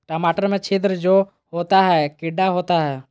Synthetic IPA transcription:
ʈəmaːʈəɾmẽt͡ʃʰid̪ɾəd͡ʒoː | ɦoːt̪aɦɛkɪɖaɦoːt̪aɦɛː

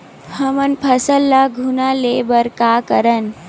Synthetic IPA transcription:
həmənpʰəsəlːaɡʱunalebəɾkaːkəɾən

